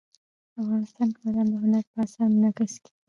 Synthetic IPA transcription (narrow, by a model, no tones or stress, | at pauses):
afɣɑnɪst̪ɑnkaland̪əɦʊnaɾpəasɑɾmnaɡəske̥